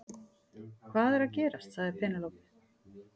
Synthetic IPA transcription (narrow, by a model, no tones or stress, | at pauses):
kʰvaːðɛɾaðcɛːɾast̪θaðɪɾpʰɛːnalowpɪ̥